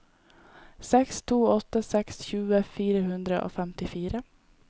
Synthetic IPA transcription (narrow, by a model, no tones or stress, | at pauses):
sɛkst̪ʰuːɔt̪ːəsɛksçʉːəfiːɾəhʉnd̪ɾəʔo̰ːfɛmt̪ɪfiːɾə